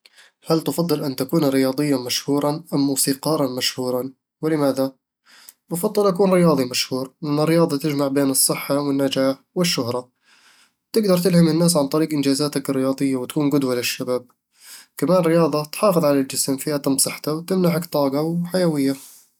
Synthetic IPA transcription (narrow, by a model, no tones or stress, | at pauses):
halt̪ʊfɑd̪ˤːɨlʔant̪akuːnɾɪjɑːd̪ˤɨjːamaʃhuːɾˤɑʔamːuːsiːqɑːɾˤɑnmaʃhuːɾˤɑ | wɪlɪmaːða | mʊfɑd̪ˤːɨlʔakuːnɾɪjɑːd̪ˤimaʃhuːɾlɪʔanːɪrːɪjɑːðˤɑt̪ɪd͡ʒmaʕbeːnɨsˤːɨħːawɪnːad͡ʒaːħwɪʃːʊhɾˤɑ | t̪ɪɡd̪ɑɾˤt̪ɪlhamɪnːaːs̬ʕant̪ˤɑɾiːɡʔɪnd͡ʒaːzaːt̪akɪrːɪjɑːd̪ˤɨjːawɪt̪ḁkuːnɡʊd̪walɪʃːabaːb̚ | kamaːnɾɪjɑːðˤɑt̪ħɑːfɨðˤʕalald͡ʒɪsmfiːhat̪ˤɑmsˤɑħt̪awt̪ɪmnaʕakt̪ˤɑːɡɑwħajawɪjːa